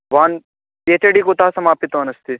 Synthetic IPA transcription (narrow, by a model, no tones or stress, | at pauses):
ʋaːn | peːt̪eɖikot̪aːsɐmaːpit̪oːnɐst̪i